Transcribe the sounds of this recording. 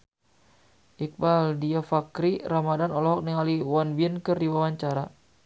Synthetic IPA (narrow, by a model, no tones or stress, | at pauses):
ʔik̚baldiafakɾiramadanɔlɔɦɔk̚niŋaliwanbiənkɨrdiwawaɲt͡ʃaɾa